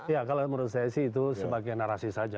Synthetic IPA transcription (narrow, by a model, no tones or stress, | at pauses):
ijakaloməɾut̪sajasihit̪̬usəbaɡajnaɾasisad͡ʒa